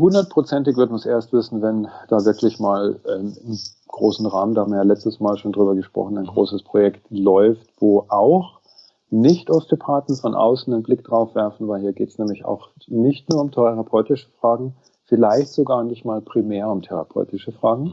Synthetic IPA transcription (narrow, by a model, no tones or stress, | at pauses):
hʊndɐt̚pʁ̥ot͡sɛntɪçvʏɐtəmansʔeːɐstv̥ɪsn̩vɛnd̥aːvɪɐklɪçmaːlʔɛmɪm | ɡ̥ʁoːsn̩ʁaːməndahabmvjɐjalɛt͡stəsmaːlʃoːndʁyːbɐɡəʃpʁ̥ɔ̰χn̩aɪnɡʁo̰ːsəspʁ̥ojɛktlɔʏftv̥oːʔaʊx | nɪçtɔstopʰaːtn̩fɔnʔa̰ʊsn̩ɪnblɪkd̥ʁaʊfv̥ɛɐfn̩vaɪlhɦiːɐɡeːtsnɛːmlɪça̰ʊx | nɪçtnuːɐʊmtʰɛʁapʰɔʏtɪʃə̥fʁ̥aːɡŋ̩ | fɪlaɪçtz̥oɡaːɐnɪçtmaːlpʁ̥imeːɐʊmtʰɛʁa̰pʰɔ̰ʏtɪʃəfʁ̥aːɡŋ̩